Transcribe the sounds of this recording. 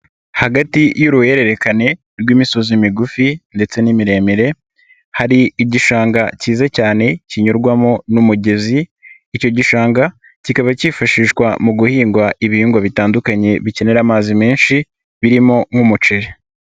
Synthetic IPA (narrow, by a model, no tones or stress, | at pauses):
haɡatijuɾuhe̞ɾe̞ɾe̞kane̞ | ɾɡwiːmiso̞zimiɡufinde̞t͡se̞nimiɾe̞ːmiɾe̞ | haɾiiɟiʃaːŋɡaciːzacaːne̞ciɲoɾɡwamo̞numuɟe̞ziː | co̞ɟiʃaːŋɡa | cikaβacifaʃiːʃkwamuɡuhiːŋɡwaʔiβihiːŋɡwaβitaːndukaɲe̞βice̞ne̞ɾaːmaːzime̞ːnʃi | βiɾimo̞ŋhumut͡ʃeɾe